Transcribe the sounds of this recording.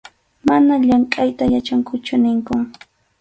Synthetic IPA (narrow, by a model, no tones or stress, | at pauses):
manaʎaŋkʼajt̪ajat͡ʃaŋkʊt͡ʃʊnɪŋkʊ